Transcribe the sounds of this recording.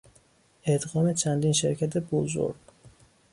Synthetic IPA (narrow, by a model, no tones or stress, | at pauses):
ʔed̪ɣɒːme̞t͡ʃʰænd̪iːnʃeɾcʰæt̪ʰe̞bozo̰ɾɡ